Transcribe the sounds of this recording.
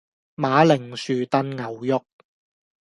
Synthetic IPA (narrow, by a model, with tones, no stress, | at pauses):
maː˨˥lɪ˨˩ŋsyː˨˩t̪ɐ˧nŋɐ˨˩wjʊ˥k̚